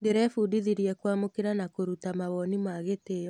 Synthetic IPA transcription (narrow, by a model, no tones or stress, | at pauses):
ndeɾɛfuːdiðiɾiɛkwaːmokeɾanakoɾutamaβɔnimaɣeteːjɔ